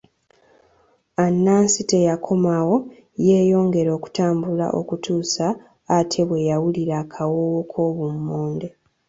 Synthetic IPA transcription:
anːaːnsite̞jakʰo̞mawo̞ | je̞ːjo̞ːŋɡe̞ɾo̞ːku̥taːmbula̰ʔo̞̰kutuːsaː | tʰe̞βwe̞jawuliɾaːkʰawowokʰo̞ːβumːoːnde̞

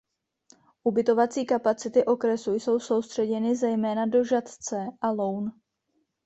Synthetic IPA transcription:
ʔubɪt̪o̞vat͡siːkapat͡sɪt̪ɪʔo̞kɾɛsujso̞wso̞wst̪r̝̥ɛɟɛnɪzɛjmɛːnado̞ʒat̪t͡sɛʔalo̞wn

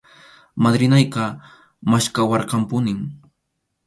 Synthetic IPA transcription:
mad̪ɾɪnajqɑ | maʃkawɑɾqɑmpʊnɪŋ

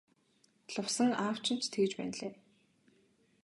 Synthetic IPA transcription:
ɮʊwsə̆ŋaːw̥t͡ɕɪ̆n̥t͡ɕt̪ʰeɣɘ̆t͡ɕpæ̰ːnɮeː

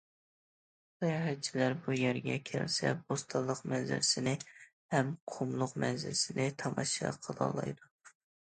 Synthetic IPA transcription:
sɑjɑɦɛt̪̚t͡ʃʰilæɾbujæɾɡʲɛ̰kʲʰæ̰lsɛ̰bost̪ʰɑlˠːəqmɛnzɪ̰lɪsɪnɪ | hɛmqʰomlˠʊqmɛnzɪlɪsɪnɪt̪ʰɑmɑʃɑ̰qʰəlˠɑ̰lˠɑ̰jd̪u

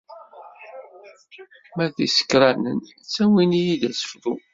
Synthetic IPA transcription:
mæðisə̥kːɾˤænən | t͡sːæwinijid̪æsə̥fðu

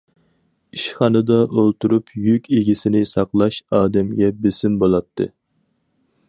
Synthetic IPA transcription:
iʃχɑnɨd̪ɑʔolˠt̪uɾupʰjykʲeɡʲisɪnɪsɑqlˠɑʃɑːd̪ɛmɡʲɛbesɪmbolˠɑt̪ʰːɨ̰

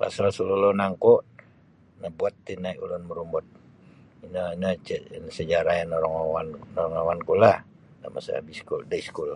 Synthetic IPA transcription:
pa̰salsululonaŋkɔʔ | nabuat̪ːinaiʔulunməɾumbɔt̪̚ | inəinət͡ʃənsəd͡ʒaɾajanoɾaŋawannɔɾaŋawankulah | da̰ma̰sa̰a̰biskuldaiskul

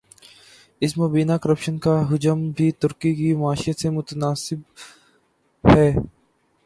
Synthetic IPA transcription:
ɪsmoːbiːnakəɾəpʃənkaɦʊd͡ʒəmbʱit̪ʊɾkikimaːʃɪjət̪semʊt̪ənaːsɪb | hɛː

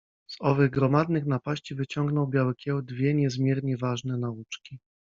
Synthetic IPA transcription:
z̥ɔvɘɣɡɾɔmad̪nɘxnapaɕt͡ɕivɘt͡ɕɔŋɡnɔwbʲjawɘkʲɛwd̪vʲjɛɲɛzmʲjɛɾɲɛvaʐnɛnaut͡ʂkʲi

